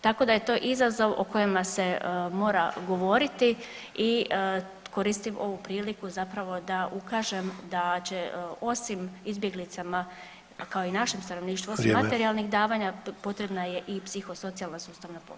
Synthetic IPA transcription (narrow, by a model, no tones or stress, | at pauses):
t̪ako̞d̪aje̞t̪o̞ːʔizazo̞ʋo̰ko̞jemase̞mo̞ːɾa̰ɡo̞ʋo̞ɾit̪i | i | ko̞ɾiːst̪imo̞ʋupɾiːlikuzapɾaʋo̞d̪aʔukaːʒe̞md̪at͡ɕe̞o̞simizbjeɡlit̪sama | kaoinaʃe̞mst̪ano̞ʋniːʃt̪ʋuosimmat̪eɾialˠnixd̪aːʋaːɲapo̞t̪ɾe̞bnaje̞ʔipsixo̞so̞t̪sialnasuːst̪aʋnapo̰